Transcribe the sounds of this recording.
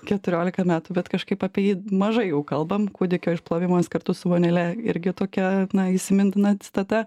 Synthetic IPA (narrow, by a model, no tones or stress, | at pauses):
kʲɛt̪ʊɾʲoːlʲɪkɐmʲæːt̪ʊbʲɛt̪kɐʃkɐɪpɐpʲɛjimɐʒɐɪjɛʊkɐlˠbɐmkuːd̪ʲɪkʲoːɪʃplˠoːʋʲɪmoːskɐrt̪ʊsʊʋoːnʲɛlʲɛɪ̰ɾʲɡʲɪt̪oːkʲɛnɐiʃsʲɪmʲɪnʲt̪ʲɪnɐt͡s̪ʲɪ̥t̪ɐt̪ɐ